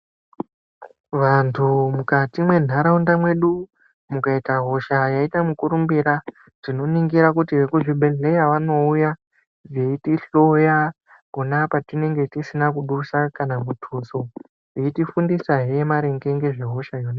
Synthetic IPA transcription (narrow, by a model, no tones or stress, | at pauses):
ʋantʰumukatimwe̞n̤aɾaundamwe̞ɗu | mukaitaɦo̞ʃajaitamukuɾumbiɾa | rino̞niŋɡiɾakutiʋe̞kuʐiɓʱe̞ɮe̞jaʋano̞uja | reitiɬo̞ja | konapatine̞ŋɡe̞tisinakuɗusakanamutʰuso̞ | eitifundisaɦejemaɾe̞ŋɡe̞ŋɡe̞ʐeɦo̞ʃajona